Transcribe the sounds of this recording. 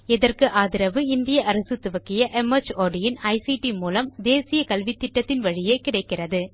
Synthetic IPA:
ɛðɐrkɯʔaːðɪɾɐʋɯɪnd̪ɪjɐʔɐɾɐsɯt̪ːʊʋɐkːɪjɐʔɛmɐt͡ʃoːɖɪjɪnɐɪsiʈimuːlɐmd̪eːsɪjɐkɐlʋɪt̪ːɪʈːɐt̪ːɪnʋɐɻɪjeːkɪɽɐɪkːɪrɐðɯ

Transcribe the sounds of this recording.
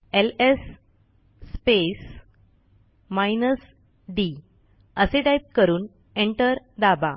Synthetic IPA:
elesː | pes | majnəs | ɖi | əseɖajp̪̚kəɾuːn | eɳʈəɾ | d̪aba̰

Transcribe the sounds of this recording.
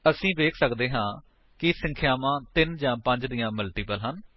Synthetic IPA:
əsĩːʋeːkʰsəkd̪eːɦãː | kɪsə̃ŋkʰɪjaːʋãːt̪ɪnd͡ʒãːpə̃ɲd͡ʒd̪ijãːməlʈiːpəlɦən

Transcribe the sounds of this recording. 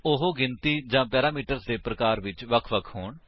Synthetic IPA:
ʊɦoːɡɪnt̪iːd͡ʒãːpɛːɾaːmiːʈəɾsd̪eːpɾəkaːɾʋɪt͡ʃʋəkʰʋəkʰɦoːɳ

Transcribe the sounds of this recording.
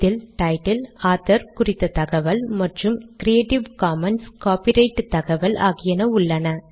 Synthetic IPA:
ɪlʈɐɪʈɪlaːt̪ːɐɾkʊrɪt̪ːɐt̪ɐɣɐʋɐlmɐʈrɯmkɾɪeːʈɪʋkaːmɐnskaːpɪɾɐɪʈːt̪ɐɣɐʋɐla̰ːɣɪjɐnɐʊɭːɐnɐ

